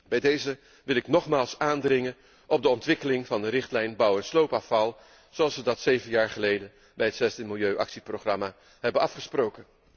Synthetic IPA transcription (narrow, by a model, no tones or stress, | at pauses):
bɛjdejzə | ʋɪlˠɪknɔχmaːlˠsaːndrɪŋən | ʔɔb̚dəɔntʋɪkəlɪŋvɑndəɾɪχtlɛjnbʌwɛnslowpafɑlˠ | z̥owɑlˠsʋədɑtsejvənjaːɹχəlejdən | bɛjɦətsɛzdəmɪlˠjøɥʔɑ̰ksiprowχrɑmaː | ɦɛbənɑfχəsprowkən